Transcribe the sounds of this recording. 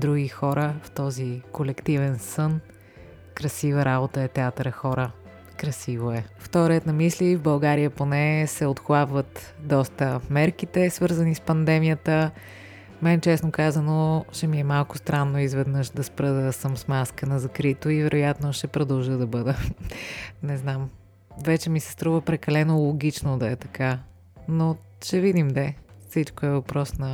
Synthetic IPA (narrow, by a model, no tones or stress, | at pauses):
d̪ɾuɡixɔɾəft̪ɔzikolɛkt̪ivɛnsɤn | kɾɐsivəɾabot̪əɛt̪ɛat̪ɾəxɔɾə | kɾɐsivoɛft̪ɔɾɛt̪nɐmislivbɐlˠɡaɾijəponɛsɛot̪xlˠabvət̪ | d̪ɔst̪əmɛɾkit̪ɛsvɤɾzənispɐnd̪ɛmijət̪ə | mɛnɛt͡ʃɛsnokazənoʃɛmiɛmalˠkʊ̥st̪ɾanːoizvɛd̪nɤʃd̪ɐspɾəd̪əsəmsmaskənɐzɐkɾit̪oivɛɾʔojat̪noʃɛpɾod̪ɐlˠʒəd̪ɐbɤd̪ə | nɛznam | vɛt͡ʃɛmisɛ̥st̪ɾuvəpɾɛkɐlɛnolˠoɡ̟it͡ʃnod̪ɐɛt̪ɐka | no | ʃɛvid̪imd̪ɛfsit͡ʃkoɛvɐpɾɔsnɐ